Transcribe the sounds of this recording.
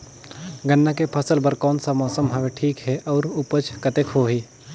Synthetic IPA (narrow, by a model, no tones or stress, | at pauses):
ɡənːakepʰɐsəlbəɾkɔːnsamɔːsəmɦɐʋeʈʰiːkɦɛʔɔːɾʊpət͡ʃkət̪ekɦoɦiː